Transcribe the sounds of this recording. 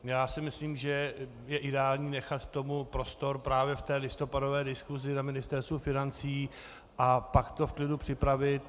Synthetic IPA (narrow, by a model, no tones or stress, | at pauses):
jaːsɪmɪsliːmʒɛ | jɛʔɪdɛaːlɲiːnɛxat̪ːo̞mupɾo̞st̪o̞ɾpɾaːvjɛft̪ɛːlɪst̪o̞pado̞vɛːdɪskuzɪnamɪnɪst̪ɛɾst̪vufɪnant͡siː | ʔapakt̪o̞fklɪdupr̝̥ɪpɾavɪt̪